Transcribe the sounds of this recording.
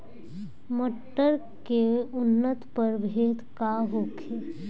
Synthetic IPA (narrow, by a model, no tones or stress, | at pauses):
məʈːəɾ | keʊnːət̪pəɾbʱeːd̪kaɦokʰe